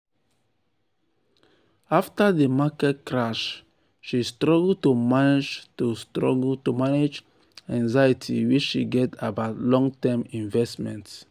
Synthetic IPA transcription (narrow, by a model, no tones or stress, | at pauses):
aftadəmakɛt̚kɹaʃ | ʃistɹɔɡl̩tumaned͡ʒtustɹɔ̰ɡl̩tumaned͡ʒ | ɛ̃ŋzajitʰḭwit͡ʃʃḭɡɛtabaʊtlɔ̃ŋtɛmĩnvɛstmɛ̃nt